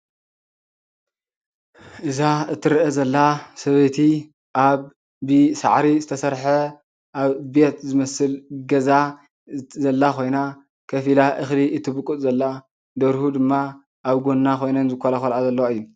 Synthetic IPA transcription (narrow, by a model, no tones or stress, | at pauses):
ʔɨzaɨt̪ʰːɨɾʔezɐlːasɐβɐt̪ʰi | ʔaβ | bɨsa̰ʕɾizɨt̪ʰɐsɐɾħɐ | ʔaβbet̪zɨmɐsɨlɡɐza | zɐlːakʰo̞jna | kʰɐfilaʔɨxliʔɨt̪ʰːɨbɨkʼːut̪ʼzɐlːa | d̪ɐɾhud̪ɨmːa | ʔaβɡo̞nːakʰo̞jnɐnzɨkʰːɐlɐxɐlʔazɐlːɐwɨjːu